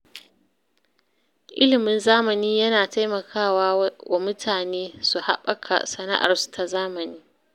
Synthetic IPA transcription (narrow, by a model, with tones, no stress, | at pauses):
ʔɪ̰˦lɪ˨mɪ˦nzaː˦mɐ˨niː˦jɐ˦naː˨ta˦jmɐ˨kʰaː˦˨waː˦wa˨mʊ˦tʰaː˨neː˦su˨ha̰˦ɓɐ˦kʰa̰˨sɐ˨na̰˦ʔa̰˨rsu̥˨ta˨zaː˦mɐ˨niː˦